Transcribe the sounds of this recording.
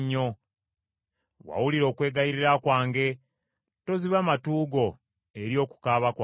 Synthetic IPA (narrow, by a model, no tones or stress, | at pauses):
ɲːo̞ | wa̰wuliɾo̞ːkwe̞ːɡajiɾiɾakwaːŋɡe̞ | to̞ziβaːmatuːɡo̞ | eɾjo̞ːku̥kaːβakwa